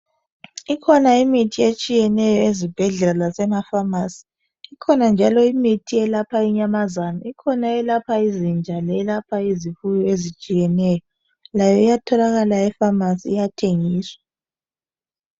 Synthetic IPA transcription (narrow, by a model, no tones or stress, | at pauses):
ikʰɔnaimitʰiet͡ʃʼijɛnɛjɔezib̥ʱɛɮɛlalasɛmafamasi̥ː | kʰɔnand͡ʒʱalɔimitʰiɛlapʰaiɲamazanɔikʰɔnaɛlapʰaizind͡ʒʱalɛɛlapʰaizifujɔezit͡ʃʼijɛnɛːjɔ | lajɔijatʰɔlaɣalaɛfamasiːjatʰeŋiːswḁ